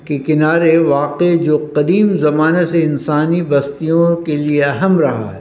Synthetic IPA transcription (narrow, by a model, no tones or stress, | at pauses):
kekɪnaːɾeʋaːqed͡ʒoːqɐd̪iːmzɐmaːneseɪnsaːnibɐst̪ijõkelieɐɦəmɾɐɦa̰ɦɛ